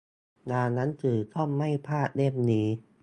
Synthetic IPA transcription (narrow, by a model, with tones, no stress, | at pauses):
naː˧na˦˥nt̪ʰɯː˨˩k̪ʰɔ˥˩˨mːa˥˩jpʰaː˥˩t̪̚le˥˩m̚niː˦˥